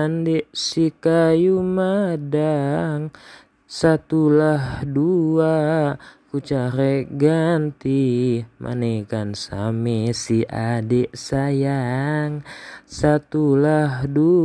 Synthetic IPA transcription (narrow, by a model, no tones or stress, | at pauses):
andɛʔsikajumadaŋ | sat̪ulahdua | kut͡ʃaɾeɡant̪imʔa̰nekansa̰mesiʔadɛʔsajaŋsat̪ulahdu